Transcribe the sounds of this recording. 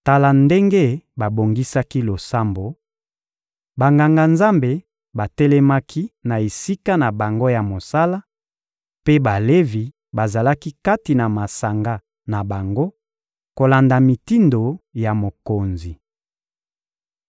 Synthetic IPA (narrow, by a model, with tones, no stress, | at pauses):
ta˨la˨nde˦ŋɡe˦ba˨bo˨ŋɡi˦sa˦ki˦lo˨sa˦mbo˨ | ba˨ŋɡa˨ŋɡa˨nza˦mbe˨ | ba˨tɛ˦lɛ˦ma˦kʰi˦na˨e˨si˦ka˦na˨ba˨ŋɡo˦ja˨mo˨sa˦la˦ | pe˦ba˨le˦vi˨ | ba˨za˨la˦ki˦ka˦ti˨na˨ma˨sa˨ŋɡa˦ | na˨ba˨ŋɡo˦ | ko˨la˨nda˨mi˨ti˦ndo˨ja˨mo˨ko˨nzi˨